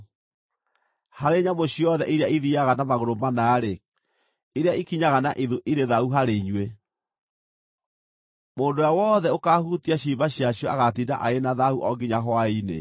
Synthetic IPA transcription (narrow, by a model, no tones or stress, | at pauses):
haɾeɲamoɕiɔðɛʔiɾeaiðiaɣanamaɣoɾomanaːɾe | iɾeaikiɲaɣanaʔiðuʔiɾeðauɦaɾeiɲwe | moːndojawɔðɛokahutiaɕiːbaɕiaɕjɔa̰ɣatiːda̰ʔaenaðauʔɔɡiɲaɦwainḛ